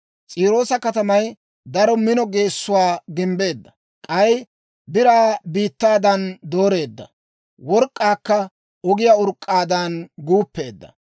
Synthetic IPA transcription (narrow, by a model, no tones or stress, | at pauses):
t͡sʼiːɾo̞ːsɐkɐt̪ɐmɐj | d̪ɐɾɔmɪnɔɡe̞ːsːʊwaːɡɪmbe̞ːd̪ːɐ̥ | kʼɐj | bɪɾaːbiːt̪ːaːd̪ɐnd̪o̞ːɾe̞ːd̪ːɐ̰ | wɔɾkʼːaːkːɐ | ɔɡɪjaʊɾkʼːaːd̪ɐnɡuːpːe̞ːd̪ːɐ̥̰